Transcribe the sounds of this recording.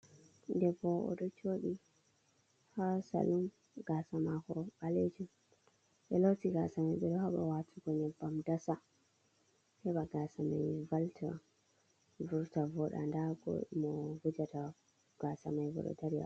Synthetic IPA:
ndɛbɔɔ̰ɗɔt͡ʃoɗi | hasa̰lum | ɡasamakɔɓaled͡ʒum | ɓɛlotiɡasamajɓɛɗɔhaɓa̰watʰuɡɔɲɛbamdasa | hɛɓaɡasama̰jvaltʰɛ̰ | vuɾtavɔɗa̰ndaɡɔ̰mɔvud͡ʒata | ɡ̥asamajvɔ̰ɗɔ̰daɾija̰

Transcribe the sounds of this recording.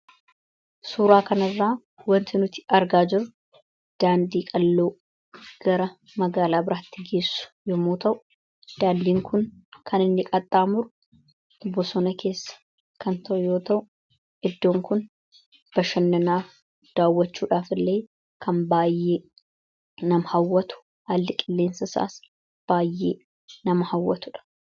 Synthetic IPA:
suːɾaːkɐnɐrːaː | wɐnt̪ɪnʊt̪ɪ̥ʔɐɾɡaːd͡ʒɪɾʊ | d̪̥aːnd̪iːkʼɐlːoː | ɡ̥ɐɾɐ | mɐɡaːlaːbɪɾaːt̪ːɪɡe̞ːsːʊ̥jɔmoːt̪ɐʔʊ̥ | d̪̥aːnd̪iːŋkʊnkʰɐnɪnːɪkʼɐt̪ʼːaːmʊɾʊ | ɔbːɔsɔnɐkʰe̞ːsːɐ̥ | kɐnt̪ɐʔʊjo̞ːt̪ɐʔʊ | ʔɪd̪ːo̞ːŋkʊn | b̥ɐʃɐnːɐnaːf | d̪̥aːwːɐt͡ʃːuːᶑaːfɪlːe̞ː | kʰɐnbaːjːe̞ː | nɐmhɐwːɐt̪ʊ̥ | haːlːɪkʼɪlːeːnsɐsa̰ːs | b̥aːjːḛː | nɐmɐhɐwːɐt̪ʊᶑɐ̥

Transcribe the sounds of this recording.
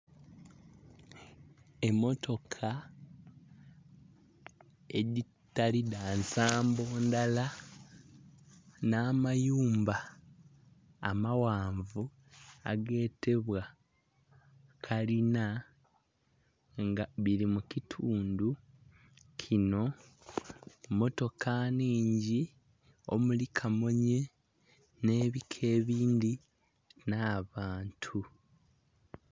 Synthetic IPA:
e̞mːo̞tʰo̞kʰa | ḛɟi | tːaliðaːnsaːmbo̞ːndala | naːmajuːmba | mawaːɱvu | a̰ɡe̞ːte̞βwa | kʰalina | ŋɡaβiɾimucitʰuːndu | cʰino̞ | mo̞to̞kʰaniːɲɟi | o̞̰mulikʰamo̞ɲe̞ | ne̞ːβikʰe̞ːβiːndi | naːβaːntʰu

